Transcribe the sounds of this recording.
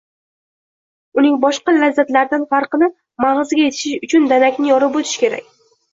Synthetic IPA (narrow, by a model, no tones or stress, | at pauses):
ʊnɪŋbɒʃqɑlazːat̪laɾd̪anfaɾqɨnɪ | maʁɨzɪɡʲaje̞t̪ʰɪ̥ʃɪʃʊt͡ʃʰʊnd̪anakʲnɪjɒɾɪpot̪ʰɪ̥ʃkʲʰe̞ɾa̰kʲ